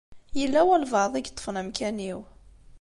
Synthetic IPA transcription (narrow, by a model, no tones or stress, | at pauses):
jəlːæwælvɑðˤiɡt̪ˤːə̥fnæmkæniw